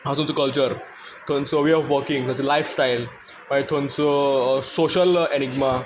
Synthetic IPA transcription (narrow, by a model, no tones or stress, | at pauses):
ɦat̪umt͡səkəlt͡ɕəɾ | t̪ʰõnt͡səʋeɔfʋəɾkĩŋɡt̪ʰõnt͡səlajfsʈajl | maet̪ʰõnt͡səsoɕəleñiɡma